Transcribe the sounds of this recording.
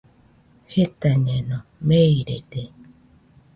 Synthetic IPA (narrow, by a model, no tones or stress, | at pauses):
het̪aɲẽnõmeiɾḛd̪e